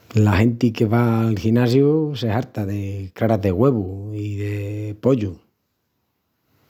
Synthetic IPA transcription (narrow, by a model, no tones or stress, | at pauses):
lahe̞nt̪ike̞βaːlxinas̬juseɦaɾt̪aðe̞kɾaɾaðe̞ɣwe̞βuiðepo̞ʎu